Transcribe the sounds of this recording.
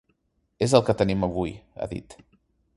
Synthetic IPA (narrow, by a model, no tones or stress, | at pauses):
ezəlˠkət̪əniməβuja̰ðḭt̪